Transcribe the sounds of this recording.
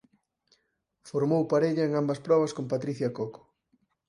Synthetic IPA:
foɾmowpaɾeʎɐeŋambɐspɾɔβɐskompat̪ɾiθjɐkoko̥

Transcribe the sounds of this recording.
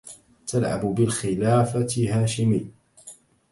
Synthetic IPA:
t̪alʕa̰bʊbɪlxɪlaːfaɪhaːʃɪmɪ

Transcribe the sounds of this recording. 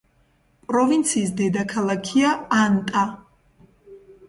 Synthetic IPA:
pʼɾɔvint̪sʰiːsd̪ɛd̪akʰalˠakʰiaːnt̪ʼa

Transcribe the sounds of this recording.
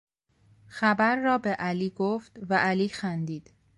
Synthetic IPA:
xæbæɾːɒːbeʔæliːɡoft̪væʔæliːxænd̪iːd̪̥

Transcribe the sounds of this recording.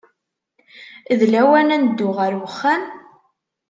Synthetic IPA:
ðlæwænænd̪ːʊʁəɾwəχːæn

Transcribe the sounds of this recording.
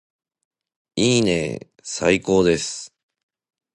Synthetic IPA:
iːnḛ | sa̰iko̞ːd̪e̞sɨ̥

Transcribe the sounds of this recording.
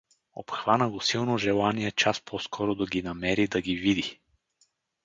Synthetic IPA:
o̰pxvanəɡosilˠnoʒɛlˠaniɛt͡ʃaspʰɔskʰɔɾod̪ɐɡʲinɐmɛɾid̪ɐɡivid̪i

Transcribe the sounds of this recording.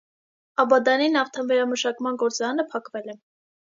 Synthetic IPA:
ɑbɑd̪ɑninɑft̪ʰɛnvɛɾɑməʃɑkmɑnɡɔɾt͡sɑɾɑnəpʰɑkvɛlɛ

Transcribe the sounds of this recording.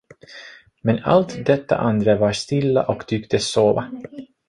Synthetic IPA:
mɛna̰lt̪d̪ɛt̪ːa̰ʔand̪ɾavaʂt̪ɪlːa̰ʔɔkt̪ʰʏːkt̪ʰəsoːva

